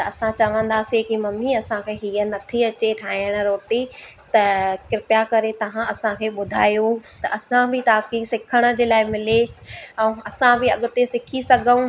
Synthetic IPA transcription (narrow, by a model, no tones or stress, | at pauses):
t̪ɐɐsãt͡ɕɐʋə̃nd̪aːsekimɐmiɐsãkʰeːɦiːənɐt̪ʰiɐt͡ɕeʈʰaːɪəɽ̃ə̆ɾoːʈit̪ɐkɪɾpjakɐɾet̪ɐʋ̤ãɐsãkʰeːɓʊd̪ʱa̰ːjot̪ɐʔɐsãbʱɪt̪aːkisɪkʰəɽ̃ə̆d͡ʑeːlaːɪmɪleɛ̃ɐsãbɪɐɠʊt̪esɪkʰisɐɡʱəũ